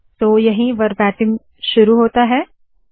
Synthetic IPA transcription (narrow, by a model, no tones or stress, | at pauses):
t̪oːjɐɦĩʋɐɾbɛːʈɪ̃ŋ | ʃʊɾuɦoːt̪aɦɛː